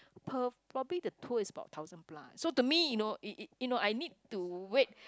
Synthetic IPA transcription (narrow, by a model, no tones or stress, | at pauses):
pʰəpʰɹɔbəlidətʰuəisəba̰ʊt̚ʰaʊzə̃nplã̰nsotumijunoʔijunoʔajnid̚tuwet̚